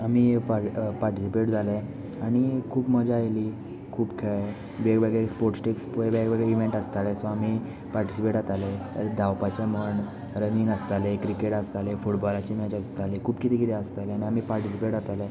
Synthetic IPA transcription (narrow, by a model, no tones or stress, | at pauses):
amiːpapaɾʈisipeʈd͡zʱale | aɽ̃ikʰuːpməd͡ʑaːjli | kʰuːpkʰeɭ | beɡbɛɡespoɾʈsʈekspoebɛɡbeɡiʋẽɳʈəst̪alɛsõami | paɾʈisipeʈat̪aled̪ʱawpat͡ɕjaməɳ | ɾəniːnəst̪alekɾikeʈəst̪alefuʈbɔlat͡ɕimɛt͡ɕəst̪alekʰuːpkit̪ikit̪ɛəst̪aleaɽ̃iamiːpaɾʈisipeʈat̪ale